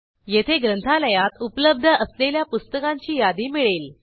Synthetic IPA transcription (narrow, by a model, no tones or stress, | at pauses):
jet̪ʰeɡɾənt̪ʰaləjat̪upləb̚d̪ʱəəsleljapust̪əkaɲt͡ɕiːjad̪iːmiɭel